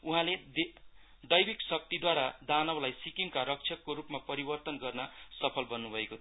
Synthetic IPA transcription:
uɦãled̪ | d̪ʌjbiksʌk̚t̪id̪waɾad̪anʌwlajsikiŋkaɾʌk̚t͡ʃʰjʌkːoɾupmapʌɾibʌrt̪ʌnɡʌrnʌsʌpʰʌlbʌnːubʱʌeko

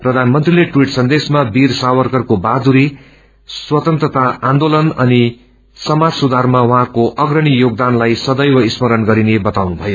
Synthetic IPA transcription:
prʌd̪ʱanmʌnt̪rileʈwiʈsʌnd̪esmabirsawʌrkʌrkobad̪uɾi | swʌt̪ʌnt̪rʌt̪aãnd̪olʌnʌni | sʌmad͡zsud̪ʱarmawʌɦãkoʔʌɡrʌɽ̃ijoɡ̚d̪anlajsʌd̪ʌjwʌismʌɾʌnɡʌɾinebʌt̪awnubʱʌjo

